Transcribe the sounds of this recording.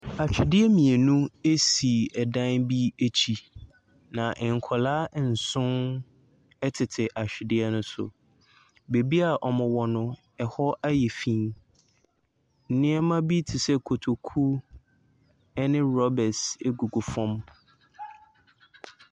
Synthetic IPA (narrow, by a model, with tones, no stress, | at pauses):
a˨t͡ɕᶣɪ˨dɪ˦ɛ˦mĩ˨e˨nũ˦e˦si˨ɛ˨dã˦nbi˦e˦t͡ɕʰi˨ | nã˨ʔɛ˨ŋ˨kʰɔ˨laː˦˨n̩˨sʊ̃˦n | ɛ˦tʰɪ˨tʰɪ˨ʔa˨ɕᶣɪ˨dɪ˦ɛ˦nʊ̃˦sʊ̰˨ | be˨bi˦a˨ʔɔ˨mʊ̃˨wɔ˨nʊ̃˦ | ɛ˨hɔ˦ʔa˦jɛ˨fĩ˦n | n̩˨nɪ̃˦ɛ˦mã˦bi˦tʰɪ˨sɛ˦kʰo˨tʰo˨kʰu˦ | ɛ˦nɪ̃˦ɾɔ˦bɛ˨se˦ɡu˨ɡu˨fɔ̃˦m